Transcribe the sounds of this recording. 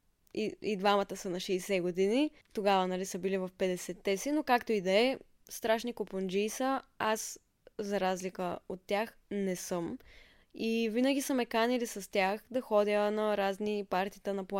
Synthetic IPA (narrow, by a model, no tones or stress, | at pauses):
iid̪vamət̪əsənɐʃɛjsɛɡod̪ini | t̪oɡavənɐlisəbilivɐfpɛd̪ɛsɛt̪ːɛsinokakt̪oid̪ɐɛ | st̪ɾaʃnikopond͡ʒiːsəas | zɐɾazlikəot̪ːjax | nɛsɤm | ivinəɡisəmɛkanilisɐst̪ʲaxd̪ɐxɔd̪ʲjənɐɾaznipaɾt̪it̪ənɐplˠa